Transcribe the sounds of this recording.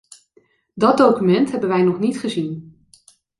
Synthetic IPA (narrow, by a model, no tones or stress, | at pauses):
dɑd̚owkymɛntɦɛbənʋɛjnɔχnitχəzin